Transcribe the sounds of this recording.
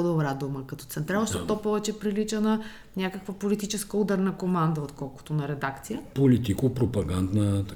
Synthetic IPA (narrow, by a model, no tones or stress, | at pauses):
d̪obɾad̪uməkɐt̪ɔ̥t̪sɛnt̪ɾʲavəʃt̪ot̪ːɔpːɔvɛt͡ʃɛpɾilit͡ʃənə | nʲakəkvəpolit̪it͡ʃɛskəud̪ɐɾnɐkomand̪əot̪kɔlˠkʊ̥t̪onɐɾɛd̪akt̪sijəpolit̪ikopɾopɐɡand̪nə